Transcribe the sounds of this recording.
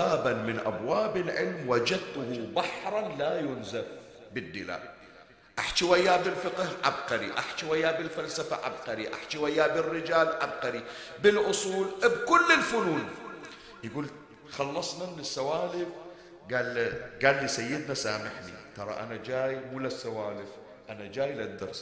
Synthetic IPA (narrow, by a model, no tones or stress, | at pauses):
aːbanmɪnʔa̰bwaːbɪlʕɪ̰lmwad͡ʒad̪̚t̪ʊhubaħɾˤɑnlajʊnzaf | bɪd̪ːɪla̰ːʔ | ʔaħt͡ʃiwajːabɪlfɪqhʕa̰b̚qɑɾḭʔa̰ħt͡ʃiwajːabɪlfalsafa̰ʕa̰b̚qɑɾiʔa̰ħt͡ʃiwajːabɪrːɪd͡ʒaːlʕab̚qɑɾibɪlʔʊsˤuːlbkʊlːɪlfʊluːn | jɪɡuːl | xɑlːɑsˤnannɪsːawaːlɪf | ɡaːlɡaːlːisajːɪd̪nasaːmɪħnḭt̪ɑɾˤɑ̰ʔa̰nad͡ʒaːjmuːlasːawaːlɪf | ʔanad͡ʒaːjlad̪ːɑ̰ɾs